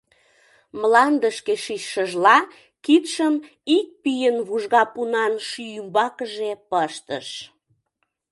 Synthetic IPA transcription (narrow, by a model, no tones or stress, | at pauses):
mlɑnd̪əʃkeʃiɕʃəʒlɑ | kit̪ʃəm | ik̚pijənβuʒɣɑpunɑnʃyjymbɑkəʒepəʃt̪ə̰ʃ